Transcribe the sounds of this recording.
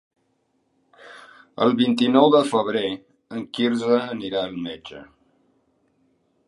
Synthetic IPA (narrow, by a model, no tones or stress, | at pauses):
ə̰lˠβint̪inɔwðəfəβ̞ɾe | əŋkiɾzəːniɾaəlˠmed͡ʒə̰